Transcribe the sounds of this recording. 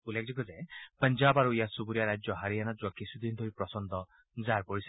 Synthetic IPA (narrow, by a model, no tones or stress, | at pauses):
ulek̚d͡ʒɔkɔzepənd͡ʒabaɾuijasubuɾijaɾad͡ʒjɔɦaɾianad͡ʒuakisʰud̪ind̪ʱɔɾipɾɔsɔnd̪ʱɔ | d͡ʒaɾpɔɾise̥